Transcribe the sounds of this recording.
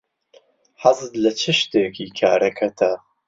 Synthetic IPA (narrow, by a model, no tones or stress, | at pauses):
ħazɨd̪lɐt͡ʃʰɨʃt̪eːkʰiːkʰa̰ːɾɐkʰɐt̪ʰɐ